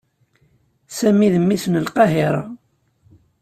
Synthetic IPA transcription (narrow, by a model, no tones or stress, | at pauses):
sæmiðəmːisənəlqɑɦɪɾˤɑ̰